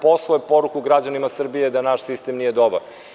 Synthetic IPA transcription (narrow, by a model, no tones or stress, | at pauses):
poslˠoepo̞ɾukuɡɾad͡ʑanimasr̩bijed̪anaʃsist̪emnije̞d̪obaɾ